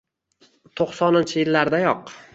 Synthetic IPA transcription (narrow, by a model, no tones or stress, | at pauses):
t̪ʰoqsɒnɪnt͡ʃʰɪjɪlːaɾd̪ajɒq